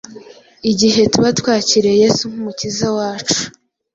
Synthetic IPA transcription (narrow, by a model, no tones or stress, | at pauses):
iɟiɦe̞tuβatwaːciɾe̞je̞suŋ̥humucizawaːt͡ʃu̥